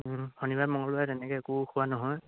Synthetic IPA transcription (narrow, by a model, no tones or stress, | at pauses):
hʰɔnibamɔŋɔlʊatɛnɛkɛekukʰʊwanɔɦɔj